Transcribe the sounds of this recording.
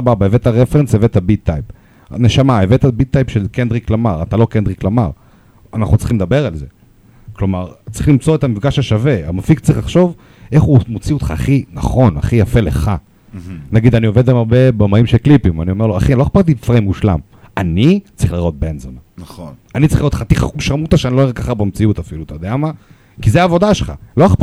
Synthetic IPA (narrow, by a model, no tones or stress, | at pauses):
ababaevet̪aʁefensevet̪abit̪ːajp | neʃamaevet̪abit̪ːajpʃelkend̪ʁiklamaʁat̪alo̞kend̪ʁiklamaʁ | anaχut͡si̥χimled̪abe̞ʁalze | klo̞maʁtt͡sʁiχlimt͡so̞et̪amifɡaʃhaʃave̞a̰mafiktt͡sʁiχlaχʃo̞v | ʔe̞χumot͡siot̪χa̰ːχinaχo̞na̰χijafe̞le̞̰χa | naɡid̪anio̞ved̪bemabe̞bomaimʃeklipimanio̞meloa̰χinloaχpaʁt̪̬ifʁeimuʃla̰m | anit͡sʁiχliʁo̞t̪̚benzonannanit͡sʁiliʁot̪χat̪iχa̰uʃamut̪aʃeaniloekaχabemt͡siut̪afilut̪ad̪eama | kizeaːvo̞d̪aʃelχa̰loaχp